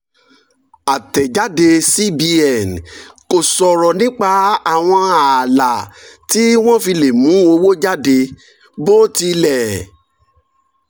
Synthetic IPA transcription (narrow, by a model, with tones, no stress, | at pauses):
a˨tɛ˨d͡ʒa˨˦de˧si˦bi˧ɛ˨n˨ko˨sɔ˨ɾɔ˨nĩ˦k͡pa˧˦a˦˨w̃ɔ̃˧a˨la˨ti˦w̃ɔ̃˦fi˧le˨mũ˨˦o˧wo˦d͡ʒa˦de˧ | bo˦ti˧lɛ˨